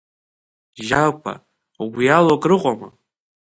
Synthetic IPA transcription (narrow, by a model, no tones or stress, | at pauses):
ʒakʷʰa̰ | ɡʷjalokʼrɨqʷʼama